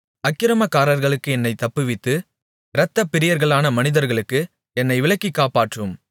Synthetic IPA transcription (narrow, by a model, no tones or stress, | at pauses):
ɐkːɪɾɐmɐkːaːɾɐɾɣɐɭɯkːɯɛnːɐɪt̪ːɐpːɯʋɪt̪ːɯ | ɾɐt̪ːɐpːɪɾɪjɐɾɣɐɭaːnɐmɐnɪðɐɾɣɐɭɯkːɯ | ɛnːɐɪʋɪɭɐkːikːaːpaːʈrɯm